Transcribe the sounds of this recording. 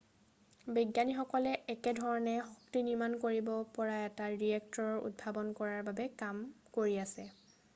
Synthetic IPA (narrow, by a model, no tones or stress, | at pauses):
biɡjanixɔkɔlɛʔɛkɛdʱɔɹɔnɛxɔktiniɹmankoɹibɔpɔɹaɛtaɹiɛk̚tɔɹɔɹṵd̚bʱabɔnkɔɹaɹbabɛkamkoɹiasɛ